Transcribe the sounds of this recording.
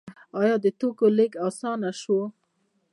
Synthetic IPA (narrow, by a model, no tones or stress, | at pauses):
ɑjɑd̪et̪okoleɡɑsɑːnaʃo